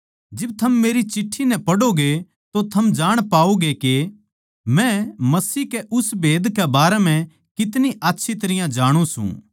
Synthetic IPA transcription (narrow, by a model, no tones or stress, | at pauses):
d͡ʒɪb̚t̪ʰɐmːeːɾit͡ʃɪʈʰːinɛpɐɽoɡe | t̪ot̪ʰɐmd͡ʒaːɽ̃paːoɡeke | mɛ̃mɐsiːɦkɛʔʊsbeːd̪kɛbaːɾɛmɛ̃ | kɪt̪niʔaːtːʃʰit̪ɐɾɪjãd͡ʒaːɽ̃ũsṵ̃